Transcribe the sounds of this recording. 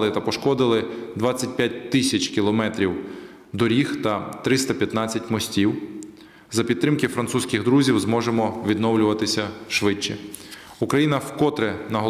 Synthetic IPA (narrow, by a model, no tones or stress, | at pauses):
lˠɪt̪ɐpɔʃkɔd̪ɪlˠɪd̪ʋɑt͡sʲːɐt̚ʲpʲjat̚ʲt̪ɪsʲɐt͡ʃkʲilˠɔmɛt̪ɾʲiw | d̪ɔɾʲixt̪ɐt̪ɾɪst̪ɐpʲjɐt̪nɑt͡sʲːɐtʲmɔsʲtʲiw | zɐpʲid̪t̪ːɾɪmkɪfɾɐnt̪susʲkʲɪɣd̪ɾuzʲiwzmɔʒemɔʋʲid̪nɔwlʲʊʋɐt̪ɪsʲɐʃʋɪt͡ʃːɛ | ukɾɐjinɐwkɔt̪ɾɛnɐɦɔ